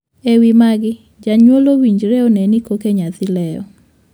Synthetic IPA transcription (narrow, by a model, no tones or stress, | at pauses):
ewimaɡɪ | d͡ʒaɲwolowiɲd͡ʒɾeɔnɛnikokeɲat̪ɪlɛjɔ̰